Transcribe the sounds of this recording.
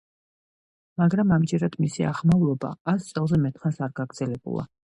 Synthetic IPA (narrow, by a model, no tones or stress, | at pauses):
maɡɾamamd͡ʒɛɾad̪̥misia̰ʁmavlˠɔba̰ast̪sʼɛlˠzɛmɛt̪ʰχansaɾɡaɡɾd̪z̥ɛlɛbṵlˠa̰